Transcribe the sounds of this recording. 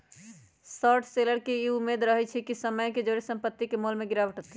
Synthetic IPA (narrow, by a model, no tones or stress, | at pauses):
sɔʈʰseləɾkeiumːed̪ɾəɦɛt͡ʃʰɛkisəməjked͡ʒoɾesə̃mpət̪ːikemolmeɡiɾabəʈət̪i